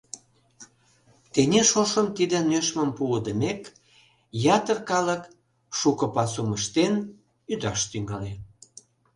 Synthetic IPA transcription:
t̪enʲeʃoʃəmt̪id̪ĕnøʃməmpuəd̪əmek | jɑt̪ərkɑlək | ʃukəpɑsuməʃt̪en | yd̪ɑʃt̪yŋɡɑle

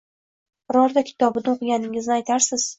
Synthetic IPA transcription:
ɾɒɾd̪akʲʰɪ̥t̪ʰɒbɪnɪqɨɡʲanɪŋɪznɪajt̪ʰaɾsɪz̥

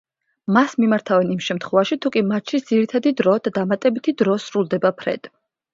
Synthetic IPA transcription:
masmimaɾt̪ʰavɛnimʃɛmt̪ʰχwɔvaʃit̪ʰukʼimat̪ʃisd̪z̥iɾit̪ʰad̪id̪ɾɔd̪̥ad̪amat̪ʼɛbit̪ʰid̪ɾɔsɾulˠd̪ɛbapʰɾɛ̰d̪̥ʼ

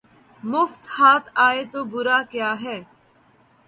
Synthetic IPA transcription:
mʊft̪haːt̪ʰaːet̪oːbʊɾaːkjaːɦɛː

